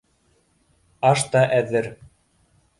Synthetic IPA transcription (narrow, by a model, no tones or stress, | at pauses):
ɑʃt̪ɑʔæðɘɾ